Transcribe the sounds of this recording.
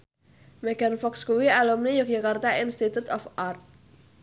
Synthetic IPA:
mɛɡ̥anfɔkskuwialumnijuk̚d͡ʒakart̪ainst̪it̪ut̪ɔfart̪̚

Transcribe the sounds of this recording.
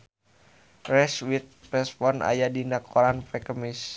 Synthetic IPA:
rɛswit̪̚rɛspɔna̰jadinakʰɔɾanpɛkəmɪs

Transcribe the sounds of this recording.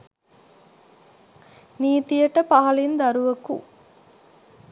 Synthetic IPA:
niːt̪ijəʈəpaɦɐlind̪ɐɾuʋɐkṵ

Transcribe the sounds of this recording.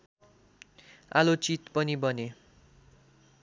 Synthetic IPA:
a̰lot͡sit̪pʌnibʌne

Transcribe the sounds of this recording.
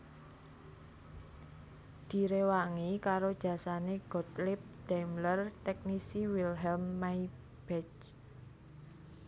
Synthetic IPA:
d̪̥i̤ɾewaŋikaɾod̥ʒ̥ä̤saneɡ̥ɔ̤t̪lɪp̚d̪̥amlərt̪ɛk̚nisiwilɦɛlmːaj | b̥ɛt͡ʃ

